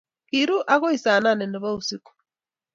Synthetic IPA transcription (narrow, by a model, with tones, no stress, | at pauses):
kiɾu˦ʔa˦ɣo˦i˨sa˨na˦nɛ˨nɛ˨βa˦u˨si˦ku̥